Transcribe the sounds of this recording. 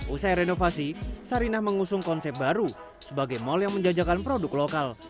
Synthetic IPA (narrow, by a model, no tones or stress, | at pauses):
ʔusajɾenofasisaɾinahməŋusʊŋkɔnsɛp̚baɾu | səbaɡajmɔljaŋməɲd͡ʒad͡ʒakanpɾodʊklokal